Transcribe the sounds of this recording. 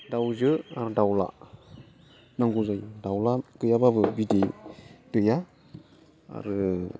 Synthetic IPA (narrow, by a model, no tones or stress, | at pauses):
dawzəaɾdawla̰ | naŋɡuzajdawlakəjababəbidetəja | a̰ɾɯ